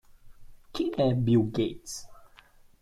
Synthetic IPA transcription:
kʰiʔɛbiɡets

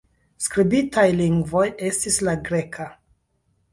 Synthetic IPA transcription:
skɾibitajliŋɡvo̞je̞stislaɡɾe̞kʰa

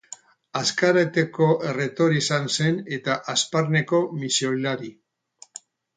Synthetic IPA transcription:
askaɾet̪eko̞ʔere̞t̪o̞ɾisanse̞ne̞t̪aʔaspaɾne̞ko̞misiolaɾi

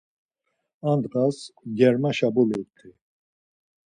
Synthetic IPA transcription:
and̪qʼasɡɛɾmaʃabulit̪ʰʼi

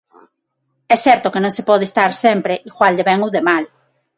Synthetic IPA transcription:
ɛsɛɾt̪okenõŋsepɔðest̪aɾsɛmpɾeʔiɣwald̪eβɛŋuðemal

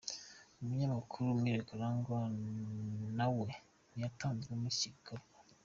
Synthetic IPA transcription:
umuɲamakʰuɾumweːɾekaɾaŋɡa | nawe | nijataːɲziɾemuciɡoɾɡa

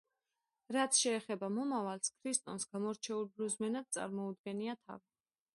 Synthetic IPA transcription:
ɾat̪sʰʃɛːχɛbamɔmavalskʰɾist̪ʼɔnsɡ̥amɔɾt͡ʃʰɛulˠbɾuzmɛnad̪̚sʼa̰ɾmɔud̪̚ɡɛniat̪ʰa̰vi

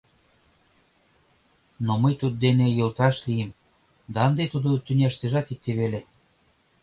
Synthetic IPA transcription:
noməjt̪ud̪̚d̪enejolt̪ɑʃlijem | d̪ɑənd̪et̪ud̪ot̪ynʲɑʃt̪eʒɑt̪ik̚t̪eβele

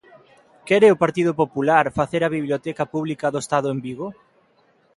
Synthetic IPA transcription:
kɛɾeopaɾt̪iðʊpopulaɾfaθeɾɐβiβljot̪ɛkɐpuβlikɐðoest̪aðʊembiɣo

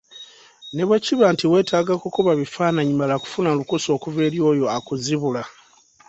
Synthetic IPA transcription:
neβweciβantiwe̞ːtʰaːɡakokuβaβifaːnaɲimalaku̥funalukuso̞ːkuve̞ːljo̞ːjo̞akuziβula

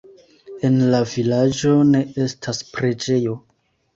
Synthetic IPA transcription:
e̞nlavilad͡ʒo̞ne̞e̞stʰaspɾe̞d͡ʒe̞jo̞

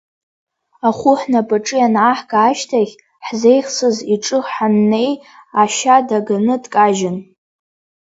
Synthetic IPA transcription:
aχʷʊħnapʼaʈ͡ʂʼɨjanʕaħɡaːʃtʰaɣʲ | ħze̞jχsɨziʈ͡ʂʼɨħanːe̞j | aʃadaɡanɨdkʼaʒɪn

